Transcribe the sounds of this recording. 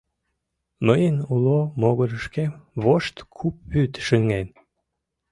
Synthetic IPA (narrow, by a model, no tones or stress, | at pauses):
məjənulomoɣəɾəʃkemβoʃt̪kʰup̚ːyt̪ʃəŋen